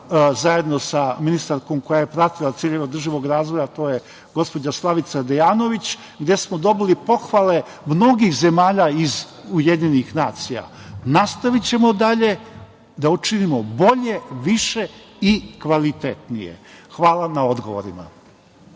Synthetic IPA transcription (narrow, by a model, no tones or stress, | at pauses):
zaje̞d̪no̞saminist̪aɾko̞mko̞jaje̞pɾat̪ilˠat̪siːʎe̞ʋaod̪r̩ʒiʋo̞ɡɾaːzʋojat̪o̞ːje | ɡo̞spo̞d͡ʑaslˠaʋit̪sad̪ejaːno̞ʋit͡ɕ | ɡd̪je̞smod̪o̞bilipo̞xʋale̞ | mno̞ɡixze̞maːʎaiz | ujed̪ɲenixnaːt̪sija̰nast̪aʋit͡ɕe̞mo̞d̪aʎe̞ | d̪aut͡ʃinimo̞bo̞ʎe̞ʋiʃe̞ | ikʋalit̪et̪nijḛxʋaːlˠanao̞d̪ɡo̞̰ʋo̰ɾḭma̰